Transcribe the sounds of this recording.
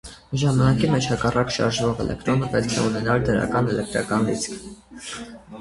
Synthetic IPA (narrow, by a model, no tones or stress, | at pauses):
ʒɑmɑnɑkimɛt͡ʃʰhɑkɑrɑkʃɑ̰ɾʒvɔʁɛ̰lɛ̰k̚t̪ɾɔnəpɛt̪kʰɛunɛnɑld̪əɾɑ̰kɑnɛlɛk̚t̪ɾɑ̰kɑnɾit͡skʰ